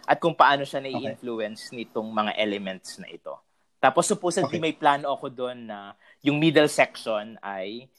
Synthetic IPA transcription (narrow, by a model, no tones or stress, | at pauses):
ʔɐt̪̚kʊŋpɐʔaːno̞ʃanɐɡiʔɪnfluɛnsnɪt̪oŋmɐŋa̰ʔɛlɛmɛnt̪̚snɐ̰ʔɪt̪o̞̰ | t̪aːposːʊpoːsɐlimɐjplaːnoʔɐkod̪o̞nːɐ | jʊŋmid̪ɛlsɛk̚ʃonɐj